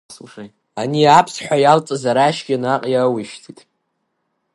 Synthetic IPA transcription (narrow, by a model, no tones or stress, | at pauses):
aniapʰsħʷᶣajalt͡sʼɨzaɾaʃɡʲanaqʼjawiʃtʰitʼ